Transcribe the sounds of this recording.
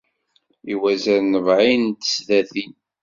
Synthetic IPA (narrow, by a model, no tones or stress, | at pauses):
iwæzæɾnəvʕint̪ə̥sðæθi